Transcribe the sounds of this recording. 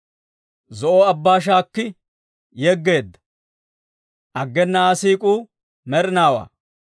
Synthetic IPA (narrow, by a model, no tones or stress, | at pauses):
zɔʔoɐbːaːʃ̬aːkːɪ | jɛɡːe̞ːd̪ːɐ̥ | ʔɐɡːɛnːɐaːsiːkʼuː | mɛɾɪnaːwa̰ː